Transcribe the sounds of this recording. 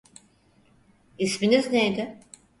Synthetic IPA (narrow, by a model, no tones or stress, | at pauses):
isminiznejd̪ɪ